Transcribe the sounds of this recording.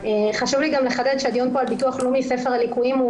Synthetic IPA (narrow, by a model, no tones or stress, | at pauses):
eχaʃuvliɡamleχad̪ed̪ʃead̪jonpoalbituaχlomise̞feʁalikuimu